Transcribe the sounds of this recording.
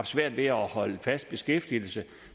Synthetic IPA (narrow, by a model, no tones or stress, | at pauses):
fd̥sʋæɐ̰d̥ʋe̝ɒhɒ̽ləfæsd̥̚b̥e̝sɡ̥efd̥il̩sə